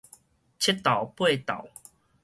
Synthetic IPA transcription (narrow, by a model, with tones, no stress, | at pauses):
t͡ɕʰe˦˥t̪ːa˨˩wpwe˥˧˨t̪a̰˨˩˦w